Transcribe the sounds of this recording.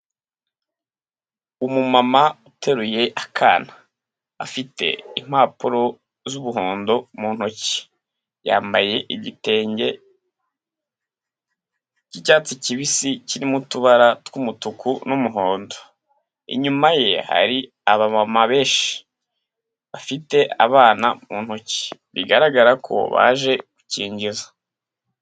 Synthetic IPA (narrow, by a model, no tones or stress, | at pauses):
umumamautʰe̞ɾuje̞ʔakʰaːna̰ː | fite̞̰im̥aːpuɾo̞ | zuβuɦo̞ːndo̞muːn̥oci̥ | ja̰ːmbaje̞ʔiɟiteːɲɟe̞ | cicaːt͡siciβisiciɾimutuβaɾatkumutukunumuɦo̞ːndo | ḭɲumaje̞ha̰ɾi | aβamamaβe̞ːʃi̥ | βafite̞ʔa̰βaːna̰muːn̥hoci̥βḭɡaɾaɡaɾakʰo̞̰βa̰ːʒe̞ɡ̥uciːɲɟizḁ